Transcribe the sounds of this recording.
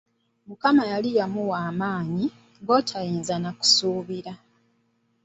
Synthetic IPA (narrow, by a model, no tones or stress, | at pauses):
mukamajalijamuwaːmaːɲi | ɡo̞tʰajiːnzanaku̥suːβiɾa